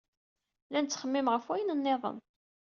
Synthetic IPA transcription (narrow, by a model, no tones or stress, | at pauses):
lænt͡sːχəmːimʁəfwæjənənːeðˤə̰n